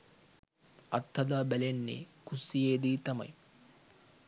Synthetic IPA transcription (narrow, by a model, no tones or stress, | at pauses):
ɐt̪ːɐd̪aːbælenːḛkusijeːd̪iːt̪ɐmɐ̰j